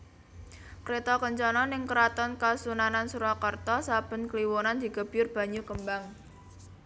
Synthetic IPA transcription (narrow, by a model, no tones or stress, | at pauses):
kɾet̪ɔkɔɲt͡ʃɔnɔnɪŋkəɾat̪ɔnkasunanansuɾɔkɔrt̪ɔsab̥ə̤nkliwɔnand̪̥i̤ɡə̤b̥jʊrb̥a̤ɲukəmbaŋ